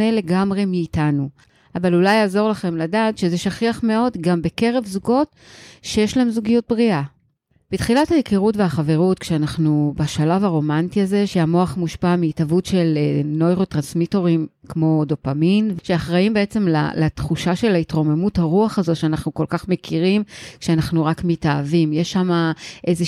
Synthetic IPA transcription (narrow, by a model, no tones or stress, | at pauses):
ele̞ɡamʁemiːtanu | avalulajaːzo̞ʁlaχe̞mladaːtʃezeʃaχiaχme̞o̞dɡambe̞ke̞ʁe̞vzuɡo̞t | ʃejeʃlahe̞mzuɡijut̚bʁiʔa | b̥it̪χilathajikiʁutveaχave̞ʁutkʃeanaχnubaʃalavaʁo̞mantiaze̞ʃeamoaχmuʃpamiːtavutʃelno̞jʁotʁansmito̞ʁimkmo̞do̞paminvʃeaχʁaimbeet͡se̞mla̰lat̪χuʃaʃe̞laitʁo̞me̞muthaʁuaχazo̞tʃeanaχnuko̞lkaχmekiʁimkʃeanaχnuʁakmitaːvimjeʃamaʔeze